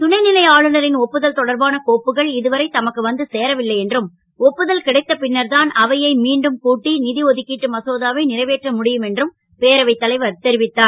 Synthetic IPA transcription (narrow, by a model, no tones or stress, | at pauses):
t̪ʊɳɐɪnɪlɐɪaːɭɯnɐɾɪnɔpːɯðɐlt̪ɔɽɐɾbaːnɐkoːpːɯɣɐɭɪðɯʋɐɾɐɪt̪ɐmɐkːɯʋɐnd̪ɯseːɾɐʋɪlːɐɪɛndrɯm | ɔpːɯðɐlkɪɽɐɪt̪ːɐpɪnːɐɾðaːnɐʋɐjɐɪmiːɳɖɯmkuːʈːinɪðiɔðɯkːiʈːɯmɐsoːðaːʋeɪnɪrɐɪʋeːʈrɐmʊɽɪjɯmɛndrɯm | peːɾɐʋɐɪt̪ːɐlɐɪʋɐɾt̪ɛɾɪʋɪt̪ːaːn